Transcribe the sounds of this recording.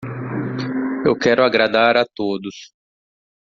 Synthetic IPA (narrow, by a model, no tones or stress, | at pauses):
ewkɛɾʊaɡɾad̪aɾat̪od̪ʊs